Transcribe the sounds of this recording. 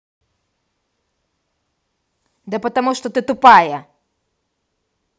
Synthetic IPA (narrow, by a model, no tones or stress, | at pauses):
d̪ɛpɐt̪ɐmuʂt̪ot̪ɨt̪upajɐ